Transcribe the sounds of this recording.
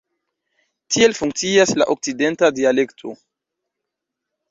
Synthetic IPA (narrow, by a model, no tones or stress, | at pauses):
tʰie̞lfuŋk̚t͡siasla̰ʔok̚t͡side̞ntadiale̞ktʰo̞̰